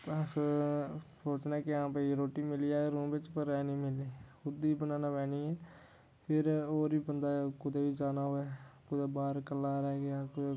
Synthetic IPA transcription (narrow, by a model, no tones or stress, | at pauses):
tːs | soːt͡ʃnaːkɪãːpəiɾoːʈiːmɪliaːɾũːmbɪt͡ʃpəɾɛːnĩːmɪliːhʊd̪ibənãːnaːʋɛːniːɛː | pʰɪɾoːɾiːbənd̪aːkʊd̪eːbiːd͡ʒaːnaːɦoːɛːkʊd̪ebaːɾkəlːaːɾɛːɡakʊd̪e